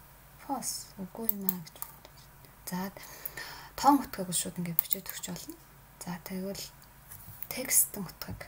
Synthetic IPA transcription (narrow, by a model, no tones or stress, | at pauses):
fʰɔsɵɣuːjʊmaːɡet͡ɕpːt̪ | t͡sat̪ | t̪ʰɔːŋʊt̪ɡiːkʊɮʃʊːt̪ə̆ŋɡeːt̪̚pit͡ɕeːt̪ʰɵ̥kt͡ɕpɔɮɞ̆n | t͡saːt̪ʰeɣʊ̆ɮ | t̪ʰekst̪ʰɘ̆ŋʊ̥t̪χiːk